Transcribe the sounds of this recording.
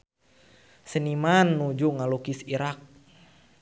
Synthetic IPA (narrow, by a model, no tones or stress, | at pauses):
sənimanːud͡ʒuŋalukisiɾak̚